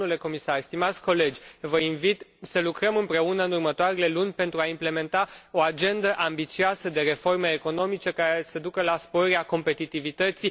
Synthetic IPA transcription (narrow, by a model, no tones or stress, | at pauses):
ule̞ko̞misarst̪imat̪sʲko̞le̞d͡ʒʲvəinvit̪səlukɾəmɨmpɾe̞unəɨnurmət̪oaɾe̞le̞lunʲpe̞nt̪ɾuaimple̞me̞nt̪ao̞ad͡ʒe̞nd̪əʔambit̪sioasəd̪e̞ɾe̞fo̞rmeːko̞no̞mit͡ʃekaɾe̞səd̪ukəlaspoɾeako̞mpe̞t̪it̪ivit̪ət̪si